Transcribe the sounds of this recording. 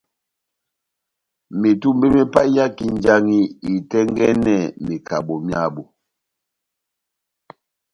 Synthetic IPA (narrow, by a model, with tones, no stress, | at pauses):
mi˨tu˦mbe˦mi˦pa˦ja˦ki˦n˦d͡ʒa˦ŋi˦i˨tɛ˦ŋɡɛ˦nɛ˦˨mi˨ka˨bo˨mja˦˨bo˨